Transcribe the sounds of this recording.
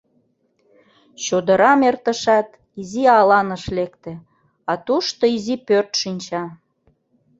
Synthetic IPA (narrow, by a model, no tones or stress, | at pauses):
ɕod̪əɾɑmert̪ə̆ʃɑt̪ | iziɑlɑnəʃlekt̪ĕ | ɑt̪uʃt̪oizipørt̪ʃinʲt͡ɕɑ